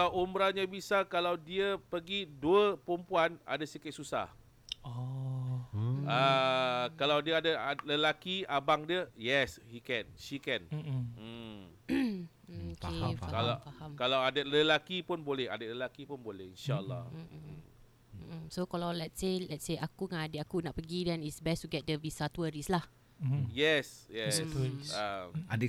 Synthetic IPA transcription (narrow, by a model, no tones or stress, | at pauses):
kaawʔumɾaɲabisakalawdiəpəɡiduəpəɾumpuana̰dasikɪt̪̚susa̰h | ɔ | ə | kalawdiəadaaləlakiabaŋdiəjɛshikɛnʃikɛn̩ | okefakalafahamkalawadələlakipʊnbolɛha̰dələlakipʊnbolɛhinʃaə̰lːɑ̰h | sokalawlɛtselɛtseʔakuŋãadəakunaʔpəɡidɛ̃nitsbɛstuɡɛt̚dəvisatwəɹislah | jɛsjɛsaad